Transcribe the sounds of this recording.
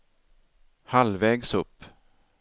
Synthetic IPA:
halvɛːɡsɵpː

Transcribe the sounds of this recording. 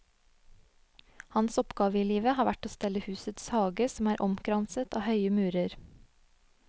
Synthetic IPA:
hɑnsɔpɡ̥ɑːʋəiːliːʋəhɑːʋæʈoːst̪ɛləhʉːsət̪shɑːɡəsɔmæːɾʔɔmkʰɾɑnsət̪ʰɑ̰ːhœʏəmʉːɾəɾ

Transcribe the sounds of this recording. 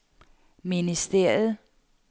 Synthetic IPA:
minisd̥eɐ̰jð̩ˠ

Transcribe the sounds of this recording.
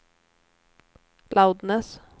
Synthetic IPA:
lʔaʊd̪nəs

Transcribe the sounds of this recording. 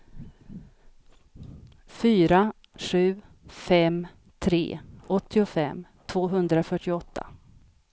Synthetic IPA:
fyːɾa | ɧʉ̟ː | fɛm | t̪ʰɾḛːʔɔt̪ːɪʊfɛmːt̪ʰvoːɦɵnd̪ɾafœʈːɪɔt̪ʰːa̰

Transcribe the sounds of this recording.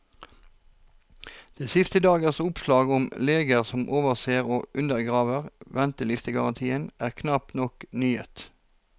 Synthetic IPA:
d̪̥eːsɪst̪əd̪ɑːɡəʁsʊpslɑːɡʊmleːɡəʁsɔmʔoːʋəʁseːʁoːʔʉnd̪əʁɡʁɑːʋəʁʋɛnt̪əlɪst̪əɡɑʁɑnt̪ʰiːənæːʁkʰnɑpnɔknyːə̰t̪

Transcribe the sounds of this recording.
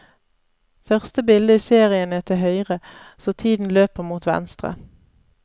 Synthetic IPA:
fœʁst̪əbɪld̪əiːseːʁɪənɛt̪ʰəhœʏʁəsoːt̪ʰiːd̪n̩løːpəʁmuːt̪ʋɛ̰nst̪ʁə̰

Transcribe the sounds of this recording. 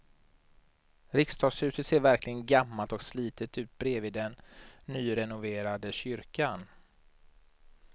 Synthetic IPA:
ɾɪkst̪ʰɑːsʉ̟ːt̪ət̪seːɾvæɾklɪɡənɡamːalt̪ɔksliːt̪ət̪ʉ̟ːt̪̚bɾeːvɪːd̪ɛnːyːɾɛnʊveːɾad̪əɕʏɾkan

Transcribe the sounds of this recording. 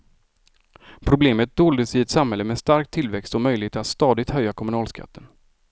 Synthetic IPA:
pʰɾʊbleːmət̪̚d̪oːld̪əsɪɛt̪samhɛlːəmɛst̪aɾk̚t̪ʰːɪlvɛkst̪ɔmœjlɪheːt̪at̪st̪ɑːd̪ɪt̪hœjːakʰɔmɵnɑːlskʰa̰t̪ːən

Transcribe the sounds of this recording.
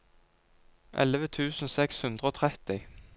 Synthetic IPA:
ʔɛ̰ləʋət̪ʰʉːsn̩sɛkshʉnd̪ʁəoːt̪ʰʁɛt̪ɪ

